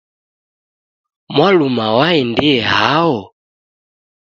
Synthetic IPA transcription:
mwalumawaɛndiɛɦaɔ

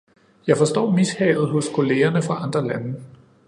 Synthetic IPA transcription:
jɑ̈ɪfɒ̽sd̥ɒ̰ːmishɛ̰ːð̞̩ˠɦo̽skʰo̝le̝ːɐnəfʁɑ̈ɑ̈nd̥ʁɐlænə

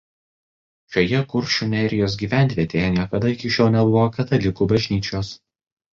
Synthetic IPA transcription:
ʃʲoːjɛkʊɾʲˑʃʲunʲɛɾʲɪjoːs̬ɡʲiːʋʲæˑnʲt̪ʲʋʲiɛt̪ʲeːjɛnʲiɛkɐd̪ɐɪkʲɪʃʲoːlˠnʲɛbʊʋoːkʲɐt̪ɐlʲɪkuːbɐʒʲnʲiːt͡ʃʲoːs

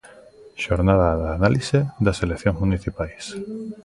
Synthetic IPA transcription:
ʃoɾnaðaðaːnalised̪aselekθjõŋzmuniθipajs

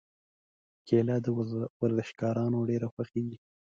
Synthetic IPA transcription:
kʰelɑd̪əwaɾzəʃkɑɾɑnoɖeɾaxwaxeɡi

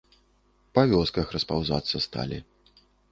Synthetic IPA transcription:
pɐvʲɔskɐxɾɐspawza̰t̪sːɐst̪a̰lʲi

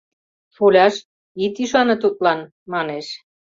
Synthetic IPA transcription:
folʲɑʃ | it̪iʃɑnɤ̆t̪ut̪̚lɑn | mɑneʃ

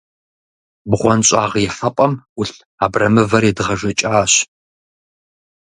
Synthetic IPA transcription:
bʁʷɔnɕʼaːʁjɛħɐpʼɐmʊɬ | aːbrɐmɨvɐridɨʁɐʒɐt͡ʃʼaːɕ

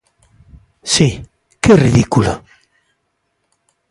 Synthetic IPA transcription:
si | keriðikula̰

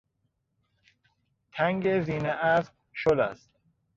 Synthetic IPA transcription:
t̪ʰæŋɡeziːneʔæsb | ʃolæ̰st̪̚

